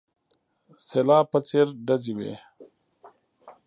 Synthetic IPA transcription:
selaːpət͡seɾɖɐziwḛː

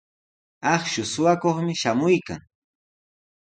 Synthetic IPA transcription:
ɑχʃʊsʊwakoχmɪʃamʊjka̰ŋ

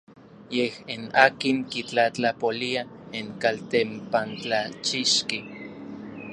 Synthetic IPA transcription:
jehinaːkiŋkit͡ɬat͡ɬapoliaeŋkalt̪empant͡ɬat͡ʃiʃki

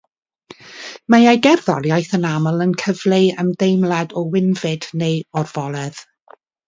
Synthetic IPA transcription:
majajɡɛrðɔljajθənaməlˠənkʰəvlˠeəmdejmlˠadɔwɪnvɪd̥nejɔrv̥ɔlˠɛð̥

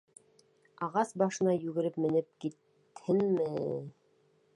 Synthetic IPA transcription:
ɑʁɑsbɑʃɤ̆nɑjʉɡɘ̆ɾɘpmɘ̆nɘp̚kit̪ | hɘnmɘ

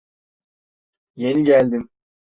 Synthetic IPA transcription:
je̞niɟælʲd̪im

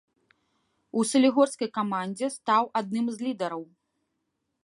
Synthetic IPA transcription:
usɐlʲiɣɔrskɐjkamand͡zʲɛst̪awʔad̪̚nɨmzʲlʲid̪ɐɾɐw

